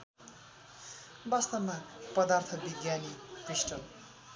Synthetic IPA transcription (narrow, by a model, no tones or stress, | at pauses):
bʌst̪ʌmapʌd̪art̪ʰʌbiɡjanit̪risʈʌm